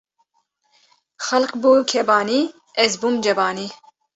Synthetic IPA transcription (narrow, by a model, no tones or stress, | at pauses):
xɐlqbuːkʰɛbɑːniː | ɛzbuːmd͡ʒɛbɑːniː